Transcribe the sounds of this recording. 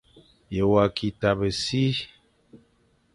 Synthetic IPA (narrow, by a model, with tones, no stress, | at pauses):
je˨wa˨kʰi˨ta˨bə˨si˦